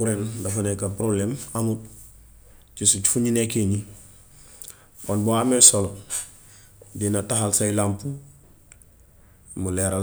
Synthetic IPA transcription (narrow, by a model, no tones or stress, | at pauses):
kuɾendafunekapɾoblemamut̚ | t͡ʃisut͡ʃi̥fuɲinekeɲi | ponbuamesolo | dinataɦalsailampu | muleɾa